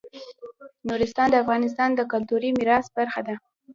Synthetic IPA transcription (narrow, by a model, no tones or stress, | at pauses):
nuɾɪst̪ɑnd̪əafɣɑnɪs̬t̪ɑnd̪əkʊlt̪uɾimiɾɑsbaɾxad̪a